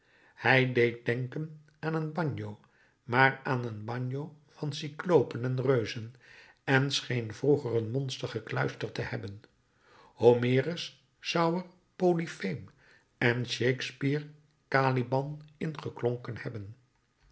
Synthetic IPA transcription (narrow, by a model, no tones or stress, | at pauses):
hɛjdejt̚dɛŋkən | aːnənbɑɲjow | maːraːnənbɑɲjo | v̥ɑnsiklowpənɛnrøɥzən | ɛnsχejnv̥ruχərənmɔnstəχəklœɥstəɹtəhɛbən | homɪːrəs | sɑwəɹ | polifem | ɛnʃejkspiːɹ | kaːlibɑnɪnχəkloŋkənhɛbən